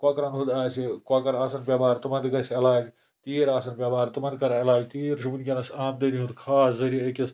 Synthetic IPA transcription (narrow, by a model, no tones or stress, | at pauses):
kaːkɐɾɐnɦud̪aːsekaːkɐɾaːsɐnpʲabaːɾt̪umɐnd̪kɐsɐlaːd͡ʒ | t̪iːɾaːsɐnpʲabaːɾt̪umɐnd̪kɐɾɐlaːd͡ʒt̪iːɾsubunkʲɐnɐsaːmd̪ɐniɦud̪kʰaːszɐɾiekɐs